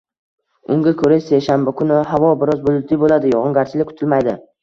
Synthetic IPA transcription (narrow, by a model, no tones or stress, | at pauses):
ʊŋɡʲakʰɵɾaseʃanbakʰʊnɪhavɒbɪɾɒzbʊlˠʊt̪ʰːibolad̪ɪjɒʁʊŋɡʲaɾt͡ʃʰɪlɪkʰʊ̥t̪ʰɪlmajd̪ɪ